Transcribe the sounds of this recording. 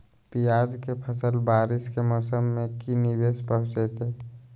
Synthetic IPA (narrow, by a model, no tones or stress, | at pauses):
pijaːd͡ʒkepʰəsəlbaːɾɪskemɔːsəmːẽkinibeːspəɦʊ̃t͡ʃet̪ɦe